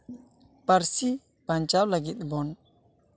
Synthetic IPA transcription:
paɾsi | pant͡ʃawlaɡit̪̚bɔn

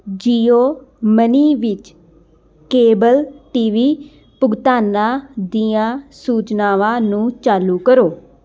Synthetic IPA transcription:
d͡ʒiːoːməniːʋɪt͡ʃ | keːbəlʈiːʋiː | pʊɡt̪aːnãːd̪iːãːsuːt͡ʃnaːʋãːnũːt͡ʃaːluːkəɾoː

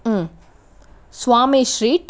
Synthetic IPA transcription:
swaːmiʃɾiːʈ

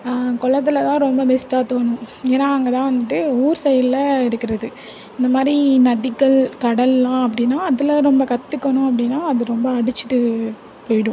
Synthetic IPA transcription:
kɔɭːɐt̪̬ːɪlɐt̪ãːɾɔmbɐbɛsʈaːt̪oːnʊ̃eːnːaːɐŋɡɐt̪ãːʋɐnd̪ɯʈːɯuːɾsɛjɐllɐɪɾɯkːɪɾɐðɯ | ɪnd̪ɐmaːd̪ɾinɐðɪkːɐɭkɐɽɐlːãːɐp̬ːɐɽɪnːaːɐðɪlɐɾɔmbɐkɐt̪ːɯkːɐɳʊ̃ɐp̬ːɐɽɪnːaːɐðɯɾɔmbɐːɽɯt͡ʃːɯ̥ʈːɯ | poːjɪɽɯ̃

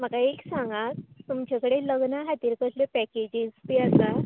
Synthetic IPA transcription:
m̤əkaeksãŋɡat̪t̪umt͡ɕakəɽeləɡnaɦat̪iːɾkəslepɛked͡ʑid͡zp̪iasa

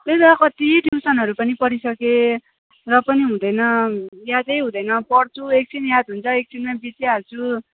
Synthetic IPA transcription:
t̪eskʌt̪iʈʰjiwsʌnɦʌɾupʌnipʌɾisʌke | rʌpʌniɦũd̪ʌjnʌjad̪ʌjɦũd̪ʌjnʌpʌrt͡sʰuek̚t͡sinjad̪ɦunt͡sʰʌek̚t͡sʰinmabit͡siat͡sʰu

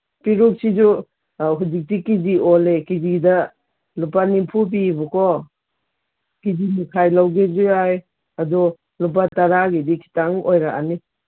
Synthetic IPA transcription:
piɾuk̚sid͡ʒu | ɦud͡ʒik̚tikid͡ʒiolekizidɐ | lupanimpʰup̬ibɔkɔ | kid͡ʒimukʰajlawɡezuaj | adɔ | lup̬ataɾaɡedikʰi̥taŋojɾaʔa̰ni

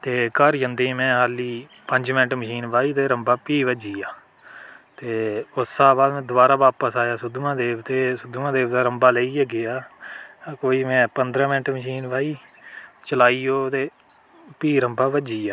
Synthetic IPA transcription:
t̪eːkəɾd͡ʒənd̪ẽːmɛ̃ːɦaːliː | pəɲd͡ʒmɪnʈməʃiːnʋaːiːt̪eːɾəmbaːpiːʋəd͡ʒiːaː | t̪eːʊsaːbaːd̪mɛ̃ːd̪ʊʋaːɾaːʋaːpəsaːjaːsʊd̪umãːd̪eːbt̪eːsʊd̪uːãːd̪eːbt̪aːɾəmbaːleːiːəɡɪjaː | koːiːmɛ̃ːpənd̪ɾãːmɪnʈməʃiːnʋaːiːt͡ʃəlaːiːoːt̪eː | piːɾəmbaːʋəd͡ʒiːaː

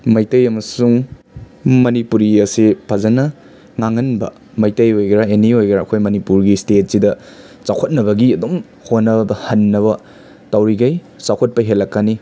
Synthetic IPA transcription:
mɐjtɐjɐmɐsuŋ | mɐnipuɾiɐsipʰɐzɐnɐ | ŋaŋːɐnbɐ̰ | mɐjtɐjojɡɾaeniojɡɾaːkʰojmɐnipuɾɡistet̚sidɐ | t͡ʃawkʰot̚nɐβɐɡiɐdom | honːɐbbɐhɐnːɐβɐ | tɐwɾiɡɐj | t͡ʃawkʰot̚pɐɦelɐkːani

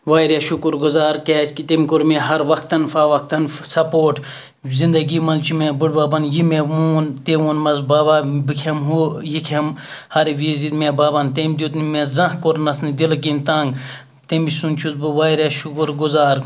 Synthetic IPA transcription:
ʋaːjɾaʃukuɾɡuzaːɾkeːt͡ʃkit̪emʲkoɾmeɦɐɾʋɐkt̪ɐnfaːʋɐk̚t̪ɐnsɐpoːʈ | zind̪ɐɡiːmɐnt͡ʃʰimebuɽbaːbɐnjimemuːnt̪eʋunmɐzbaːbaːbɨkʲʰemɦujikʰɐm | hɐɾʋizid̪meːbaːbɐnt̪emd̪ut̪nmezɐ̃ɦkoɾnɐsnid̪ilk̬int̪ãːŋɡ | t̪emisunt͡ʃʰuzbɨʋaːjɾaʃukɾɡuzaːɾ

